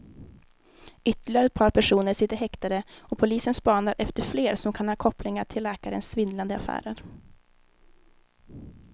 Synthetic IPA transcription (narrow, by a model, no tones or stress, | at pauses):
ʏt̪ːəɭɪaɾəɛt̪pʰɑːɾpʰæʂuːnəɾsɪt̪ːəɾhɛkt̪aɾəɔpʰʊliːsənspɑːnaɾʔɛft̪əɾfleːɾsɔmkʰanhɑːkʰɔplɪŋaʈʰɪlːɛːkaɾə̰nsvɪnland̪əa̰fæ̰ːɾəɾ